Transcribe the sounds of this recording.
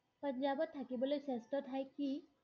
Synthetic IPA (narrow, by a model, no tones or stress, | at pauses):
pəɲd͡ʑabət̪ʰːakibolesesʈəʈ̪ʰajkiː